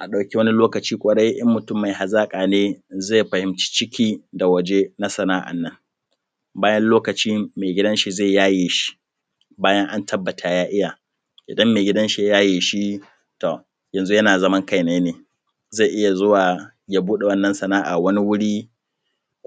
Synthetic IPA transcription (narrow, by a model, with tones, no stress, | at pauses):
ʔa˨ɗa˨wkʲi˦wɐ˦ni˦loː˦kɐ˨t͡ʃiː˦kʷʼɐ˨ɽa˦jʔɐ̰˦mːʊ˨tʊ˦mːa˨jha˨zaː˦kʼaː˨neː˦za˦˨jɸɐ˨hɪ˨mt͡ʃi̥ː˦t͡ʃɪ˦kʲiː˦da˨wɐ˦d͡ʒe˦na˦sɐ˨naː˦ʔa̰˨nːɐ˦ŋ | baː˦jɐ˦nloː˦kɐ˨t͡ʃiː˦meː˨ɡʲɪ˦dɐ˦nʃi˨za˦˨jaː˦jeː˨ʃi̥˦ | baː˦jɐ˦ŋʔa˦ntɐ˦bːɐ˨tʰa˨jaː˦ʔɪ˦jaː˨ | ʔɪ˨dɐ˦mːeː˨ɡʲɪ˦dɐ˦nʃi˦a˦jaː˦jeː˨ʃi˦ | to˨ | jɐ˨nzu˦jɐ˦naː˨zɐ˦mɐ˦ŋka˦jneː˦neː˨ | za˦˨ʔɪ˦ja˨zʊ˦waː˨ | ja˦buː˦ɗe˨wɐ˦nːɐ˨˦nsɐ˨naː˦ʔa̰˨wɐ˦ni˦wʊ˦ɽiː˦